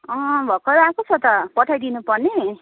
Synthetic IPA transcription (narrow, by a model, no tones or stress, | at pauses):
ʌ̃bʱʌkʌɾakot͡sʰʌt̪ʌpʌʈʰajd̪inupʌrne